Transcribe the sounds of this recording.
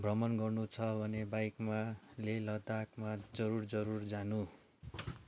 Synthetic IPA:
bʱrʌmʌnɡʌrnut͡sʰʌbʱʌnebajkmalelʌd̪akmad͡zʌɾurd͡zʌɾurd͡zanu

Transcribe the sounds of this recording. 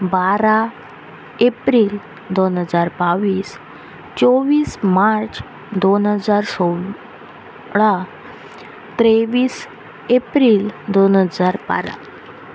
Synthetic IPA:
baɾa | epɾiːl | d̪onɦəd͡zaɾbaʋiːs | t͡ɕoʋiːsmaɾt͡s | d̪onɦəd͡zaɾso | ɭa | t̪ɾeʋiːs | epɾiːld̪onɦəd͡zaɾba̰ɾa̰

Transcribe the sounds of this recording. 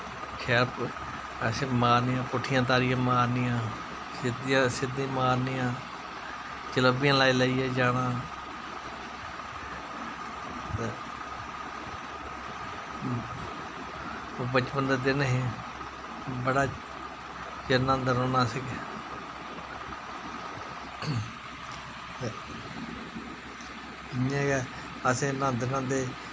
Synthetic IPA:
kʰɛːɾp | sɪmaːɾnɪjãːpʊʈʰːɪjãːt̪̬aːɾɪjãːmaːɾnɪjãː | sɪd̪ãsɪd̪ĩːmaːɾnɪjãː | t͡ʃələbɪjãːlaːiːlaːiːɛːd͡ʒaːɽãː | obət͡ʃpənd̪əd̪enɦĩ | bəɽaː | t͡ʃɪnãːnd̪əɾoːnaːsɪɡɛ | ɪãːɡɛː | əsẽːnãːnd̪nãːnd̪eː

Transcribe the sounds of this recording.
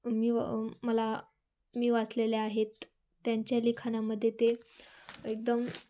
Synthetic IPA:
miːʋməla | miːʋat͡sleleaɦet̪ː | jaɲt͡ɕjalikʰanaməd̪ʱːjet̪e | ek̚d̪əm

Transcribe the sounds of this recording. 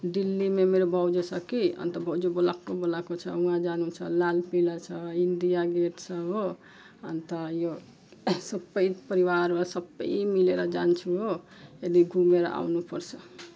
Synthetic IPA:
ɖilːimemeɾobʱʌwd͡ʒosʰʌkiʌ̰nt̪ʌbʱʌwd͡ʒobolakːobolakot͡sʰʌ̰ũɦãd͡zanut͡sʰʌlalpilat͡sʰʌind̪ijaɡeʈt͡sʰʌɦo | ʌ̰nt̪ʌjo | sʌbʌjpʌɾiwaɾasʌbʌ̰jmileɾʌd͡zant͡ʃʰuɦo | ed̪iɡʱumeɾʌ̰ʔa̰wnupʌrt͡sʰʌ

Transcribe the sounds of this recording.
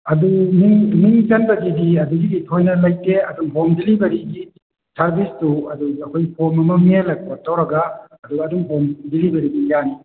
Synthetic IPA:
ɐdumiŋmiŋd͡ʒɐnbɐɡidiɐduɡiditʰojnɐlajteɐdumɦomdilibɐɾiɡi | sɐɾbistuɐduɐkʰojpʰoɾmɐmɐmielɐk̚bɐtʰːawɾɐɡaː | duɡːdumɦomdilibɐɾibijani

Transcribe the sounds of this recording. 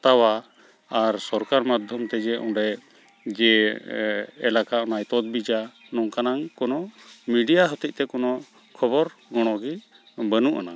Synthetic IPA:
t̪awa | aɾsɔɾkaɾmad̪ʱjɔmt̪ɛd͡ʒɛʔɔ̃ɖɛ | d͡ʒɛ | ɛlakaɔnajt̪ɔd̪̚bid͡ʒa | nɔŋkanaŋkɔnɔmiɖijaɦɔt̪ic̚t̪ɛkɔnɔ | kʰɔbɔɾɡɔɽ̃ɔɡi | bənuʔa̰na

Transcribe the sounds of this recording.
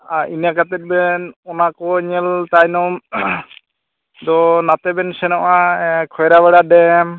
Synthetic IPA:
aɾinakat̪ɛt̪̚bɛnɔnakɔɲɛlt̪ajnɔm | d̪ɔnat̪ɛbɛnsɛnɔʔakʰɔjɾaβɛɽaɖɛm

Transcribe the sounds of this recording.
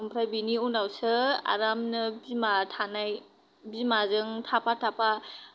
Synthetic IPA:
ɯmpʰɾajbiniunawsɯa̰ɾamnɯbimatʰanaj | bimazɯŋtʰapatʰapa

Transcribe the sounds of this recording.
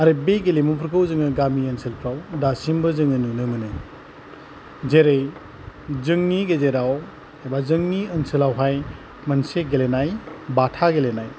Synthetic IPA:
aɾebeɡelimupʰɯɾkʰɯwzɯŋɯɡamiənsʰɯlpʰɾawdasimbɯzɯŋɯnɯnɯmɯnɯ | zeɾej | zɯŋniɡezeɾaw | ebazɯŋniənsɯlawɦaj | mɐnseɡelenajbatʰaɡelenaj

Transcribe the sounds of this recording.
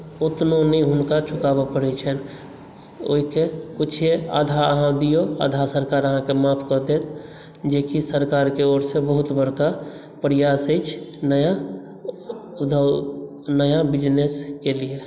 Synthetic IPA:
ʊt̪nonəĩɦʊnkat͡ʃʰʊkaːbapəɽɛt͡ʃʰɛn | o̰ːɦikekʊt͡ʃʰea̰d̪ʱaəɦãd̪ijoa̰ːd̪ʱasəɾkaːɾəɦãkemãpʰkɔd̪et̪ | d͡ʒekisəɾkaːɾkeoːɾsebəɦʊt̪bəɽka | pɾɪjaːsəɪt͡ʃʰnəja | ʊd̪ʱə | nəjabɪd͡ʒneskelie

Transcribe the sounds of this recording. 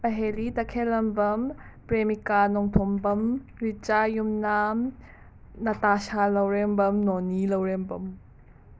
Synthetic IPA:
pɐɦeɾit̪ɐkʰɛlɐmbɐmpɾemikanɔŋt̪ʰɔmbɐmɾit͡ʃajumnam | nɐt̪aʃalɐwɾɛmbɐmnɔnilɐwɾɛmbɐm

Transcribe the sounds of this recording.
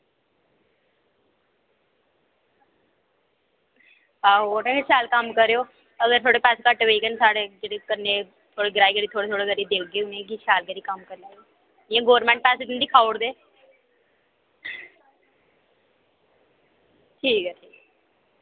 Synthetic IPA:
aːoːʈãeʃaːlkəmkəɾeoː | əɡəɾt̪ʰoːɽeːpɛːseːkəʈʋeːkənsaːɽeːd͡ʒeɽeːkəɾneː | t̪ʰoːɽeːɡɾaːiɡəɾiːt̪ʰoːɽeːt̪oːɽeːɡəɾiːd̪eːkʰɡeːʊnẽːkiʃaːlɡəɾiːkəmkəɾnaːɡe | ɪjãːɡoːɾmɛ̃ɳʈ̚pɛːseːt̪nːd̪iːkʰaːoɽd̪eː | ʈʰiːkɛʈʰiːk

